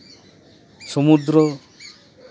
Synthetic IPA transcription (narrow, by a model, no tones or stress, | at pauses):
sɔmud̪ɾɔ